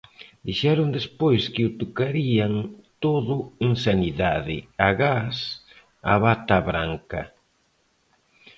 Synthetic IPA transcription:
d̪iʃɛɾʊnd̪espojskɪʊt̪okaɾiaŋt̪oðʊeŋsaniðaðɪ̰aɣas | a̰βat̪aβɾaŋkɐ̰

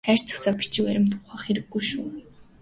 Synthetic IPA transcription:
χæːr̥ʲt͡sə̥̆ksapʲi̥t͡ɕĭkæɾʲɪ̆m̥t̪ʊχaːχeɾɘ̆ɡːujʃuː

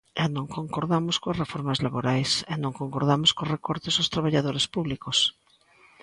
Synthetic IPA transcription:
ɛnõŋkoŋkoɾðamoskoasrefoɾmazlaβoɾajsɛnõŋkoŋkoɾðamoskosrekɔɾt̪esost̪ɾaβaʎaðoɾespuβlikos

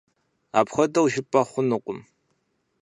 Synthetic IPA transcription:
a̰ːpxʷɐdɐwʒɪpʼɐχʷʊnuqʷʼʊm

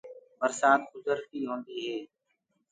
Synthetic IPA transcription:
məɾsaːt̪xʊzəɾt̪iːɦõːnd̪iːɦeː

